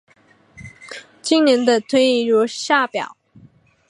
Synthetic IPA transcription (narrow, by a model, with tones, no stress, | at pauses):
t͡ɕi˥ŋnjɛ˧˥nd̪ə˧t̪ʰwe˥˧ɪi˥˩ɻɔ˥˧˥ɕja˥˩pjɑ̰˨˩˦ʊ